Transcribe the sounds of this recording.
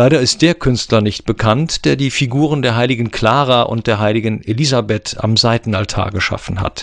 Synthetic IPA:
laɪɾɐɪst̚d̥eːɐkʰʏnstlɐnɪçt̚b̥əkʰantd̥eːɐdiːfiɡuːʁ̞əndeːɐɦaɪlɪɡn̩kl̥aːʁaʔʊ̰nt̚d̥eːɐɦaɪlɪɡən̩elizabɛta̰mzaɪtn̩altʰa̰ːɐɡəʃa̰fn̩ha̰t

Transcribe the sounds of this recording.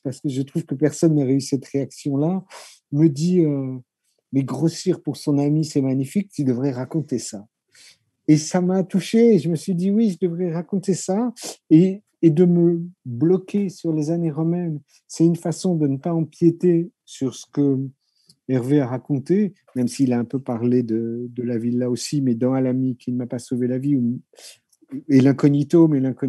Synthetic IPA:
paʁsə̥kəʒət̪χuvkəpɛʁsɔnːəʁeysɛt̪χeaksjɔ̃la | məd̪iø | mɛɡʁosiʁpuʁsɔ̃namisɛmaɲifik̪̚ːid̪əvʁɛʁakɔ̃t̪esa | esamat̪uʃeːʒəməsɥid̪iwiʒəd̪əvʁɛʁakɔ̃t̪esaeː | d̪əməblɔkʲesyʁlezaneʁəmɛn | sɛt̪ynfasɔ̃d̪ənəpaɑ̃pjet̪e | syʁsə̥kə | ɛʁveaʁakɔ̃t̪e | mɛmsiːlaɛ̃pøpaʁled̪əd̪əlavilːaosimɛd̪ɑ̃alamikʰinəmapasovelavium | elɛ̃kɔnit̪omelɛ̃kɔ

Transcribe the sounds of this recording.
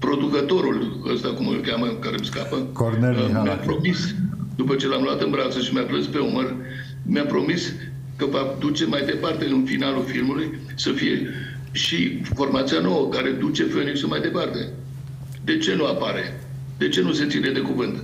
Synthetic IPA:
pɾo̞d̪ukət̪o̞ɾul | ə̰st̪akumə̰lkʲaməkaɾemskapə | mja̰pɾo̞misd̪upət͡ʃe̞lamluat̪ɨnbɾat̪səʃimjaplɨnspe̞umər | mjapɾo̞mis | kəvad̪ut͡ʃe̞majd̪e̞part̪e̞ɨnfinalulfilmuluj | səfije̞̰ | ʃifo̞rmat̪sijano̞wəkaɾe̞d̪ut͡ʃe̞fenisəmajd̪e̞part̪e̞ | d̪e̞t͡ʃe̞nuapaɾe̞ | d̪̥e̞t͡ʃe̞nuset̪sined̪e̞kuvɨnt̪

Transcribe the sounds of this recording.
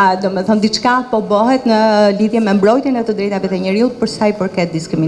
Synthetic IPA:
d̪ɔmɛθɔnd̪it͡ʃkapɔbɔɦɛt̪nəliðjɛmɛmbɾɔjt̪jɛnɛt̪əd̪ɾɛjt̪avɛt̪ɛɲəɾiut̪̚pəɾsajpəɾkɛt̪̚d̪iskɾimin

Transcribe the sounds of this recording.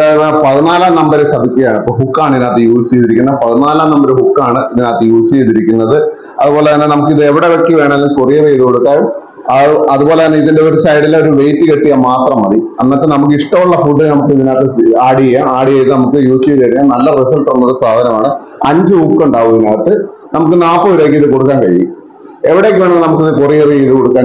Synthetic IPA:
aepolepɐðinaːlaːmnɐmbɐɾesɐbʱikʲːɐjaːɳɨipːoːɭɦukːaːɳinaːt̪ːɨjuːsieðiɾikʲːunːɐpɐðinaːlaːmnɐmbɐɾhukːaːɳɨiðinaːt̪ːɨjuːsiejðiɾikʲːunːɐðɨ | ɐ̰ðubo̞ːlet̪ɐnːenɐmuk̬ːiðɨe̞ʋiɽeʋekːiʋe̞ːɳɐɐlːinkurijɐðejiðukoɽuk̪ːaːjum | ɐɐðubo̞ːleɐnːeiðinde̞o̞ɾusɐjɽileo̞ɾuʋe̞jtːɨkeʈːijɐmaːt̪rɐmɐriɐnːaːt̪ːenɐmuk̬ːɨiʂʈɐmuɭːɐfuːɖːɨnɐmukːɨiðinaːt̪ːɨaːɽiɐjaaːɽijejðɨnɐmukːɨjuːsit͡ɕeɐðiɐɽiːɐnɐlːɐresɐlʈunːuɭɨsaːd̪ʱɐnɐmaːɳɨ | ɐɲd͡ʑɨuːpkːuɳɖaːʋuinaːɐt̪ːɨ | nɐmuk̬ːɨnaːpːoɾeːk̬ːɨiðɨko̞ɽukːaːnkɐɻḭjṵ | e̞ʋiɽe̞ːkːɨʋeːɳɐmːnɐmukːiðɨkurijɐrieðuko̞ɽukːaː

